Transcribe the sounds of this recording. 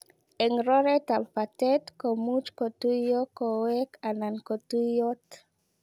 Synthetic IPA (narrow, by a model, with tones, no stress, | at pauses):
e˨ŋɾo˦ɾe˦t̪a˨lpat̪e˦t̪komu˦t͡ʃkot̪u˦jo˦ko˨wekanankot̪u˦jot̪